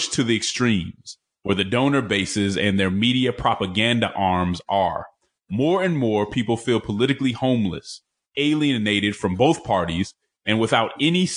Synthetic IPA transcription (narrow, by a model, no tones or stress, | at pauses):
t͡ʃtʰɨðiɨkstɹ̥ĩmz̥ | wə˞ðɨdõʊ̃nə˞beɪsɪzɨ̰̃nðə˞miɾiɨpʰɹ̥ɑpəɡæ̃ndɨʔɑɹmzə̰˞ | mɔɹɨ̃nmɔɹpʰipl̩ˠfilˠpʰəlɪɾɨklihõʊ̃mlɨ̰s | eɪlˠiɨneɪɾɨd̥fɹʌ̃mboʊθpʰɑɹɾiz̥ | ɨ̃nwəθaʊɾɛnis